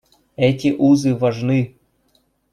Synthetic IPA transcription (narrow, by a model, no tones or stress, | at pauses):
ɛtʲiʔuzɨvaʐnɨ